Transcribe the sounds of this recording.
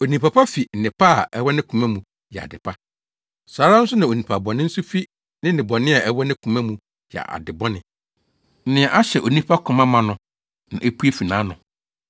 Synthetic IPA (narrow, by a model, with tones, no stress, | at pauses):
o˨nĩ˨pʰa˨pa˦fi˨n̩˨nɪ̃˨pʰa˦˨ʔɛ˦wɔ˦nɪ̃˦kʰũ˨mã˦mũ˨ | jɛ˨a̰˨dɪ˨pʰa˦ | saː˨ɾa˦n̩˦sʊ˦nã˨o˨nĩ˨pʰa˨bɔ˨nɪ̃˦n̩˦sʊ˦fi˦ | nɪ̃˦nɪ̃˨bɔ˨nɪ̃˦a˨ʔɛ˦wɔ˦nɪ̃˦kʰũ˨mã˦mũ˨ | jɛ̰˨ʔa̰˨dɪ˨bɔ˦nɪ̃˨ | n̩˦nɪ̃˨ɛ˨ʔa˦ɕɛ˨ʔo˨nĩ˦pʰa˦kʰʊ̃˨mã˦mã˨nʊ̃˨ | nã̰˨ʔe˦pu˦e˦fi˨nãː˨˦nʊ̃˨